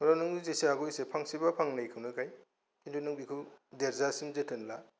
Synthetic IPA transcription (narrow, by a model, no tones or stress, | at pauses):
mɾanuŋizesiaɡɔjsepʰaŋsibapʰaŋnajkʰɯwnɯkʰaj | indunuŋbikʰɯwdeɾzasimzetʰɯnla